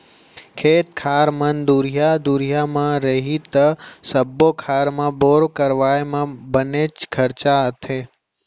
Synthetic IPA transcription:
kʰeːt̪̚kʰaːɾmənd̪uɾijad̪uɾijamãɾəɦit̪əsəbːokʰaːɾmãboːɾkəɾʋaːemãbənet͡ʃkʰəɾt͡ʃaət̪ʰeː

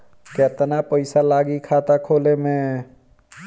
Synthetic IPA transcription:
ket̪napəɪsalaːɡikʰaːt̪akʰoːlemẽ

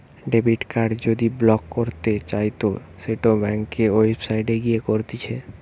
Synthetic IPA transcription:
ɖebiʈkaɖd͡ʑod̪iblɔkːoɾt̪et͡ɕajt̪o | seʈobɛŋkeoifsajɖeɡijekoɾt̪it͡ɕʰe

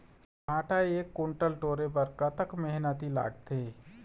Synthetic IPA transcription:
ɦaːʈaeeːkːʊɳʈəlʈoːɾebəɾkat̪əkmɛɦnət̪ila̰ːɡt̪ʰeː

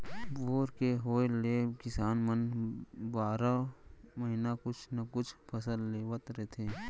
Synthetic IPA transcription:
boːɾkeɦoːleːkɪsaːnmənbaːɾaməɦɪnakʊt͡ʃʰnɐkʊt͡ʃʰpʰɐsəlːeːʋət̪ɾet̪ʰeː

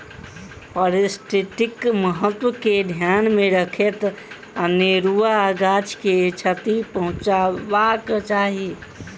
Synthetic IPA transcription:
pəɾesʈeʈɪkməɦət̪wəked̪ʱjanmeɾəkʰet̪ | aneɾuaɡat͡ʃket͡ʃʰət̪ipəɦũt͡ʃabakt͡ʃaɦi

